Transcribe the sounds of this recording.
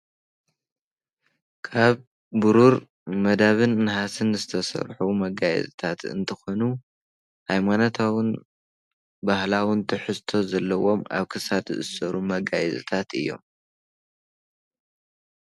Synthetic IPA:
kʰaβː | ɨɾuɾ | mɐd̪aβɨnːɨhasɨnzɨt̪ʰɐsɐ̰ɾħumɐɡajɛ̰zɨt̪ʰat̪ɨ̰nt̪ʰɐxonu | hajmanot̪ʰawɨn | bahlawɨnt̪ʰɨħɨst̪ʰo̞zɐlːɐwo̞ma̰βkʰɨsad̪zɨʔɨsɐɾumɐɡajɛzɨ̰t̪ʰat̪ʔɨ̰jːo̞̰m

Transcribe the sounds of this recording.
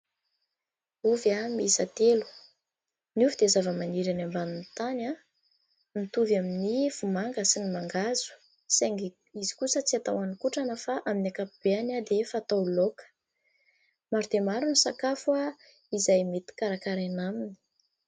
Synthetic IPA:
uvjamizat̪elu̥ | niuvid̪ezavəmaniɾanambaninit̪ana | nit̪uvaminiv̥umaŋɡəsinimaŋɡazu̥ | seŋɡ | izi̥kusət͡siat̪awanikuʈ͡ʂanəfaʔaminakapib̥eanad̪efaːt̪awlokə̥ | maɾud̪emaɾunisakafua | izajmet̪i̥kaɾakaɾanamini̥

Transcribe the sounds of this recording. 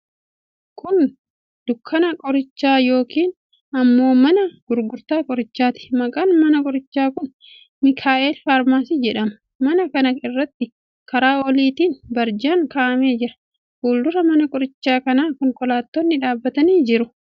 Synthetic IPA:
kʰʊn | d̪̥ʊkʰːɐnɐkʼɔɾɪt͡ʃːaːjo̞ːkiːn | ɐmːo̞ːmɐnɐɡ̥ʊɾɡʊɾt̪aːkʼɔɾɪt͡ʃːaːt̪ɪ̥mɐkʼɐːnmɐnɐkʼɔɾɪt͡ʃːaːkʊn | mɪkʰaːʔeːlfaːɾmaːsiːd͡ʒɛᶑɐmɐ̥ | mɐnɐkɐnɐɪrːɐt̪ːɪ | kɐɾaːɔliːt̪iːnbɐɾd͡ʒaːŋkaːʔɐmeːd͡ʒɪɾɐ | ɡuːld̪ʊɾɐmɐnɐkʼɔɾɪt͡ʃːaːkɐnaːkɔŋkɔlaːt̪ːɔnːɪᶑaːbːɐt̪ɐniːd͡ʒɪɾʊ

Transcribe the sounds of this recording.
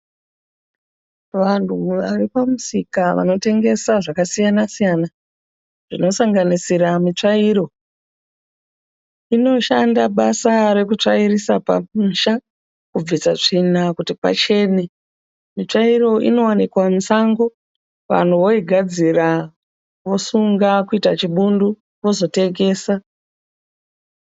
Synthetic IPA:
ʋantʰuʋa̰ripamusikaʋa̰no̞te̞ŋɡe̞saʐakasijanasijana | ʐ̥ino̞saŋɡanisiɾamit͡ʂaiɾo̞ | ino̞ʃandaɓasaɾe̞kut͡ʂairisapa̰muʃa | kub͡visat͡ʂinakutipa̰t͡ʃe̞ne | mit͡ʂairo̞ʔḭno̞wanikwansaŋɡo̞ | ʋa̰n̤uʋo̞iɡʱad͡zira | ʋo̞suŋɡakuitat͡ʃiɓundu | ko̞zo̞te̞ɡe̞ːsa

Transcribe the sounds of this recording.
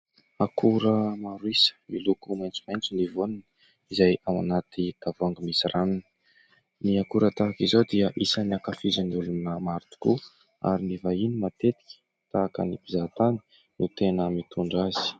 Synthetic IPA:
akʰuɾəmaɾwisə̥milukumajnt͡su̥majnt͡sunivonanə | izajawa̰nat̪id̪̥avuaŋɡəmisirananə̥ | niakuɾət̪akizowd̪iəʔisəniakafizəniulunəmaɾit̪u̥ku | a̰ɾinivainimat̪et̪i̥kʲi̥ | t̪aːkə̰nibizat̪ani̥ | nut̪enəmit̪ʰuɳɖ͡ʐazi̥

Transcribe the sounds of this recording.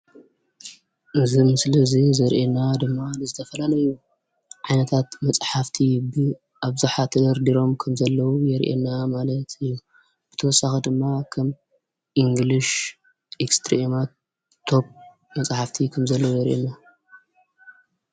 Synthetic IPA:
ʔɨzimɨsɨlɐzizɐɾʔenad̪ɨmːanɨzɨt̪ʰɐfɐlalɐju | ʕajnɐt̪ʰat̪mɐt͡sʼħaft̪ʰibɨ | ʔaβzuħat̪ʰɐd̪ɐɾd̪iɾo̞mkʰɐmzɐlːɐwujɛɾʔḛnːamalɐt̪ʰɨjːu | b̥ɨt̪ʰɐwɔsːaxid̪ɨmːakʰɐm | ʔiŋɡliʃ | ʔekst̪ʰɾema | o̞p̚ | mɐt͡sʼħaft̪ʰikʰɐmzɐlːɐwujɛɾʔḛna

